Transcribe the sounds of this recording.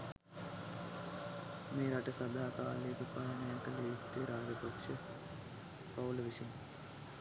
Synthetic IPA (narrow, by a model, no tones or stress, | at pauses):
meːɾaʈəsɐd̪aːkaːleːkəpaːɦənəjakəlejut̪ːejɾaːd͡ʒəpakʂə | pauləʋisin